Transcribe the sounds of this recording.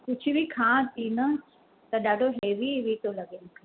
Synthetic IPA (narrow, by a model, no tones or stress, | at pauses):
kʊt͡ʃʰiʋikʰãːt̪inɐ | t̪ɐɗaːɖʱoɦeːʋiʋit̪olɐɡenkʰa